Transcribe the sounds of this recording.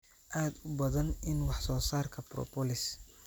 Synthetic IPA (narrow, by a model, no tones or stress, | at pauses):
ʔaːd̪ʊbɐðɐnɪnwɑħsɔːsaːrkʰɐprɔ̰pɔlɪs